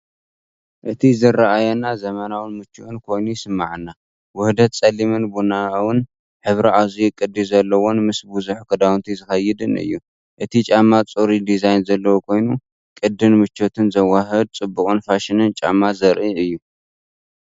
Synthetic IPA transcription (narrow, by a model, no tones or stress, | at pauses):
ʔɨt̪ʰizɨraʔajɛnːazɐmɐnawɨnmɨt͡ʃːuʔɨnkʰo̞jnujsɨmːaʕɨnːa | wʊhd̪ɐt̪̚t͡sʼɐlimɨnbunawɨn | ħɨβɾiazujkʼɨd̪ːizɐlːɐwo̞nmɨsbuzuħkʰɐd̪awnt̪ʰizɨxɐjːɪd̪ɨnɨ̰jːu | ʔɨt̪ʰit͡ʃʼamːat͡sʼoɾid̪izajnzɐlːɐwokʰo̞jnu | kʼɨd̪ːɨnmɨt͡ʃːot̪ʰɨnzɐwaɦɐd̪̚t͡sʼɨbːukʼɨnfaʃɪnɨnt͡ʃʼa̰mːazɐɾʔiʔɨjːu